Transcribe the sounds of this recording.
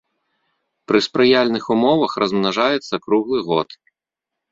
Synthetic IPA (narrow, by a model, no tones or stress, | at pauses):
pɾɨspɾɨjalʲnɨxumɔvɐxrɐzmnaʐajɛt̪sːɐkɾuɣlˠɨɣɔ̰t̪